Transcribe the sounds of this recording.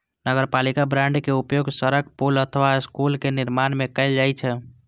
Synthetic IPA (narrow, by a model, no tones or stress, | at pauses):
nəɡəɾpalikabɾãɳɖkeupjoɡsəɾəɡ̚polət̪ʰəʋaskulkeniɾmanmekəɪld͡ʒajt͡ʃʰɛ